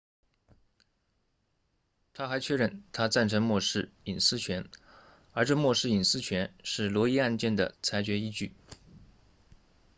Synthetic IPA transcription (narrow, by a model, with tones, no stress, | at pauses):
t̪ʰa˥xa˧˥ɪt͡ɕʰɥɛ˥˧ɻə˥˩nt̪ʰa˥t͡sa˥˩nʈ͡ʂʰɤ˧˥ŋmwɔ˥˧ʂɻ̩˥˩i˨˩nsɹ̩˥t͡ɕʰɥɛ˧˥n | ə˞˧˥ʈ͡ʂɤ˥˧mwɔ˥˧ʂɻ̩˥˩i˨˩nsɹ̩˥t͡ɕʰɥɛ˧˥nʂɻ̩˥˩lwɔ˧˥i˥a˥˧nt͡ɕjɛ˥˩nd̪ə̰˩t͡sʰa˧˥ɪt͡ɕɥɛ˧˥i˥t͡ɕy˥˩